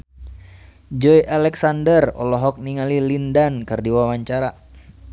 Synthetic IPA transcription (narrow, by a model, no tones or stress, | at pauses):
d͡ʒɔjʔalɛksandərɔ̰lɔɦɔk̚niŋalilindankərdiwawaɲt͡ʃaɾa